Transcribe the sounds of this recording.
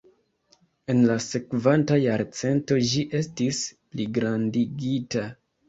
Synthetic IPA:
e̞nlase̞kvantajaɾt͡se̞nto̞d͡ʒiʔe̞stispliɡɾandiɡita

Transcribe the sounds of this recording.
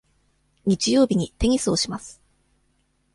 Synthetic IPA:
ɲ̟it͡ɕijo̞ːbʲiɲ̟it̪e̞ŋ̟ʲisɨoɕimasɨ̥

